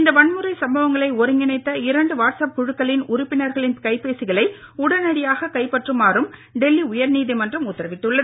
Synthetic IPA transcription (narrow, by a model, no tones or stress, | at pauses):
ɪnd̪ɐʋɐɳmɯɾɐɪsɐmbɐʋɐŋɡɐɭɐɪɔɾɯŋɡɪnɐɪt̪ːɐɪɾɐɳɖɯʋaːʈsɐp̚kɔɻɯkːɐɭɪnʊɾʊpːɪnɐɾɣɐɭɪnkɐɪpeːsɪɣɐɭɐɪ | ʊɽɐnɐɽɪjaːɣɐkɐɪpːɐʈrɯmaːrɯmɖɛlːiʊjɐɾniːðimɐndrɐmʊt̪ːɐɾɐʋɪʈːɯɭːɐðɯ